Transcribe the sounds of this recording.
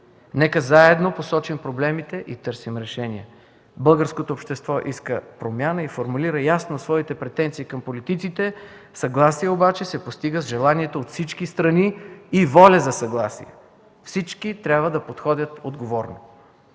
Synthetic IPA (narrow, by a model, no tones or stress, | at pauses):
nɛkəzaɛd̪noposɔt͡ʃimpɾoblɛmit̪ɛʔit̪ɤɾsimɾɛʃɛniə | bɤlˠɡəɾskot̪oːpʃt̪ɛst̪vɔʔiskəpɾomʲjanəifoɾmuliɾəjasnosvɔit̪ɛpɾɛt̪ɛnt̪siːkɐmpolit̪it̪sit̪ɛ | sɐɡlˠasiɛobat͡ʃɛsɛpost̪iɡəzʒɛlˠaniɛt̪oːt̪fsit͡ʃkist̪ɾɐniːvɔlʲɐzɐsɐɡlˠasḭɛ̰ | fsit͡ʃkit̪ɾʲabvəd̪ɐpot̪xɔd̪ʲət̪od̪ɡovɔɾno